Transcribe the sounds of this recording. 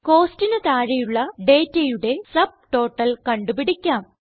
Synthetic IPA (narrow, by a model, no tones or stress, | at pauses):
ko̞ːstinɨt̪aːɻijuɭːɐɖe̞ːtːɐjuɽe̞sɐb̚ʈo̞ːʈːɐlkɐɳɖupiɽikʲːaːm